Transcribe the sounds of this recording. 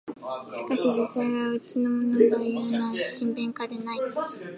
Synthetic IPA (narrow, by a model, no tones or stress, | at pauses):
ɕi̥kaɕid͡ʑisːaiβaɯ̟t͡ɕino̞monoɡaɯjonakʲĩmbẽ̞ŋkad̪e̞nai